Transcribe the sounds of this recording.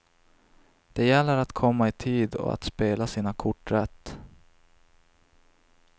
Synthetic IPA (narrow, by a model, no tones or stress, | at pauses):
d̪̥ɛjɛlːəɾat̪kʰɔmːaɪt̪ʰiːd̪ɔ̰a̰t̪speːlasiːnakʰʊʈːɾɛt̪ː